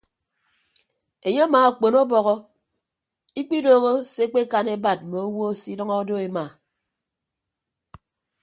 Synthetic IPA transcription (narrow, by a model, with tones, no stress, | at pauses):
e˨ɲe˦maː˨a˨k͡po˨no˦bɔ˨ɣɔ˦ | i˦k͡pi˦doː˨ɣo˦se˦k͡pe˦ka˨ne˦ba˨t̚mo˨o˦wo˦si˦dʌ˦ŋɔ˦o˦do˦e˨ma˨